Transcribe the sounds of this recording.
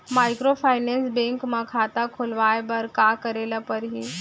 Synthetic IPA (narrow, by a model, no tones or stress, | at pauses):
majkɾofajnensbeŋkmakʰat̪akʰolʋajbəɾkakəɾelapəɾɦi